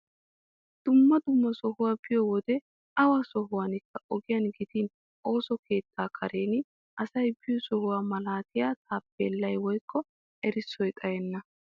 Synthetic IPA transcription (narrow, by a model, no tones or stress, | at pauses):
d̪̥ʊmːɐd̪ʊmːɐsɔhʊwaːb̥ɪjɔwɔd̪ɛ | ɐwasɔɦʊwaːnɪkːɐʔɔɡɪjɐnɡɪt̪iːn | o̞ːsɔke̞ːt̪ːaːkʰɐɾeːn | ʔɐsɐjbɪjɔsɔhʊwaːmɐlaːt̪ɪjaːt̪ʰaːpːeːlːɐjwɔjkʰːɔ | ɛɾɪsːɔjt̪ʼɐjɛnːɐ